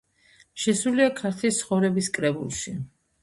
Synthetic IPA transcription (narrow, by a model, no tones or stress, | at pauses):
ʃɛsuliakʰaɾt̪ʰlist̪sʰχɔvɾɛbiskʼɾɛbṵlˠʃi